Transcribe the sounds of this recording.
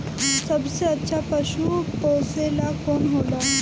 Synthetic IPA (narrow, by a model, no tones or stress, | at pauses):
səbseətːʃʰapəʃuposelakoːnɦoːla